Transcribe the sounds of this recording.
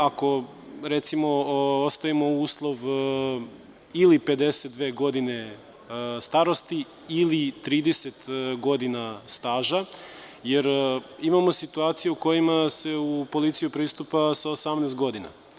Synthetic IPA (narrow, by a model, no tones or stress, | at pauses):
ako̞ | ɾet̪simo̞ost̪aimo̞uːslˠo̞ʋ | ilipe̞d̪e̞set̪̚d̪ʋe̞ːɡo̞d̪ine̞ | st̪aɾo̞st̪iː | lit̪ɾiːd̪eset̪ɡo̞d̪inast̪aːʒa | jeɾimamo̞sit̪uaːt̪sijeuko̞jimase̞upo̞lit̪sijupɾiːst̪upasaosamnest̪̚ɡo̞d̪ina̰